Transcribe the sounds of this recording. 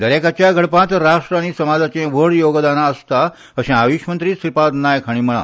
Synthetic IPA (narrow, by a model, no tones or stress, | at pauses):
d̪əɾekat͡ɕjaɡʱəɽpãt̪ɾaʂʈɾañisəmad͡zat͡ɕẽʋəɽjoɡd̪anaəst̪a | əɕẽaʋiɕmənt̪ɾiːst̪ɾipad̪najkʰaɽ̃iːməɭa̰